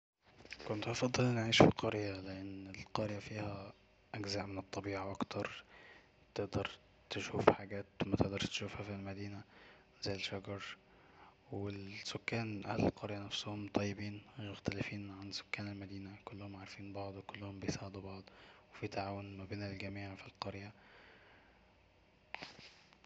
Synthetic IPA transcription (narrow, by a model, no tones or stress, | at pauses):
kont̪ʔɑfɑd̪ˤːelnʕiːʃfiqɑɾjæleʔenːelqɑɾjæfiːhæ | ʔæɡzæʔmenet̪ˤːɑbiːʕaʔɑkt̪ʰɑɾˤ | t̪eʔd̪ɑɾˤ | t̪eʃuːfħaɡæːt̪wmæt̪eʔd̪ɑɾˤʃt̪e̥ʃuːfhæfilmæd̪iːnæ | zæjːelʃɑɡɑɾˤ | welsokːæːnʔæ̰hlelqʰɑɾjænæfshomt̪ˤɑjːebiːnjoxt̪ælɪfiːnʕanso̥kːæːnelmæd̪iːnækolːʊhomʕaʕɾˤfiːnbɑʕd̪ˤwekolːʊhombejsɑʕd̪ubɑʕd̪ˤwefit̪aʕaːwonmæbeːnelɡæmiːʕfilqɑɾjæ